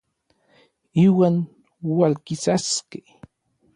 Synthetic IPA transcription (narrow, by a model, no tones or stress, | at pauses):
iwan | walkɪsaskɪ